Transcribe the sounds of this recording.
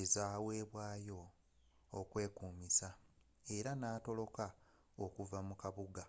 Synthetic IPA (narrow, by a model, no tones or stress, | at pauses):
ezaːwe̞ːβwaːjo̞ː | kwe̞ːkuːmisa | e̞ɾanaːto̞lo̞ka | okuvamukaβuɡa